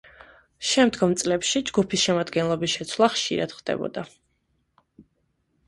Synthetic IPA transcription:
ʃɛmd̪ɡɔmt̪sʼlɛpʃid͡ʒɡupʰisʃɛmad̪ɡɛnlˠɔbisʃɛt̪sʰwlˠaχʃḭɾad̪̥χd̪̥ɛ̰bɔ̰d̪a

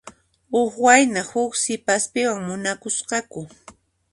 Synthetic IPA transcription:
ʊxwajnahʊksɪpaspɪwaŋmʊnakʊsqɑkʊ

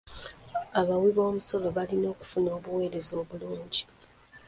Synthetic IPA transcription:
aβawiβo̞ːmuso̞lo̞βalino̞ːku̥funo̞ːβuwe̞ːɾe̞zo̞ːβuluːɲɟi

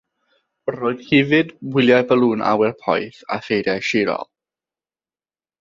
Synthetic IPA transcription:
roːɨð̥hɪvɨdwɪlˠjajbəlˠuːnʔa̰wɛrpʰɔ̰jθa̰θejdjajʃɪɾɔ̰lˠ

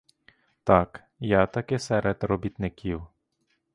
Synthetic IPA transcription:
t̪ak | jat̪ɐkɪsɛɾʔed̪rɔbʲit̪nɪkʲiw

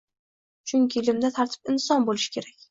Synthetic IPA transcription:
t͡ʃʰʊŋkʲʰɪlɪmd̪at̪ʰaɾt̪ʰɪ̥pɪnsɒnbolɪʃɪ̥kʲʰe̞ɾakʲ

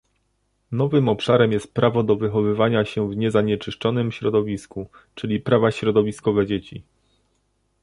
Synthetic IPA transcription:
nɔvɘmɔpʂaɾɛmjɛst̪̚pɾavɔd̪ɔvɘxɔvɘvaɲaɕɛvɲɛzaɲɛt͡ʂɘʂt͡ʂɔnɘmɕɾɔd̪ɔvʲisku | t͡ʂɘlʲipɾavaɕɾɔd̪ɔvʲiskɔvɛd͡ʑet͡ɕi

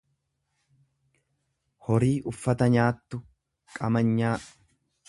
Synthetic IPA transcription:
hɔɾiːʔʊfːɐt̪ɐɲaːt̪ːʊ | kʼɐmɐɲːaːʔ

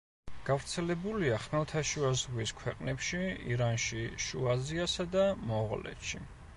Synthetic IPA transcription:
ɡ̥avɾt̪sʰɛlɛbuliaχnɛlˠt̪ʰaʃuazʁwiskʰwɛqʼnɛpʃiḭɾanʃiʃuaziasad̪amɔʁlɛ̰t̪ʃi

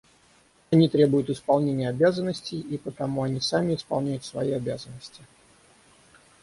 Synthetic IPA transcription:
ɐnʲit̪ɾʲe̞bʊjʊt̪ɪspɐlˠnʲenʲɪjəɐbʲazənːəsʲtʲɪjipət̪ɐmuɐnʲisamʲɪɪspɐlˠnʲæjʊt̪svɐjiɐbʲazənːəsʲtʲɪ

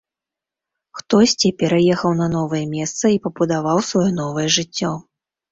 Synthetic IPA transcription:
xt̪ɔsʲt͡sʲipʲɛɾajɛxɐwn̪ɐnɔvɐjɛmʲɛst̪sɐipɐbud̪avawsvajɔn̪ɔvɐjɛʐɨt͡sʲːɔ

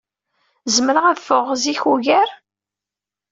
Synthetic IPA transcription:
zəməɾəʁæðfʊʁziçuʝæɾ

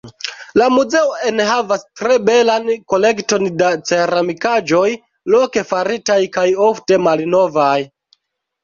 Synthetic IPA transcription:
lamuze̞oenɦavastɾe̞be̞lanko̞le̞kto̞ndat͡se̞ɾamikad͡ʒo̞j | loke̞faɾitajkajo̞fte̞malno̞vaj

